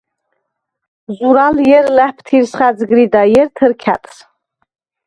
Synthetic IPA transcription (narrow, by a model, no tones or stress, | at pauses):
zuɾaljɛrlæħpʰtʰirsχad͡zɡɾidajɛrtʰɨrkʲʰa̰tʼs